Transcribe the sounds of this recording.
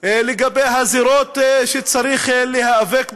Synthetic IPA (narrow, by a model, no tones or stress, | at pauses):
leɡabejɦaziɾot̪ʃet͡saɾiχlehaavek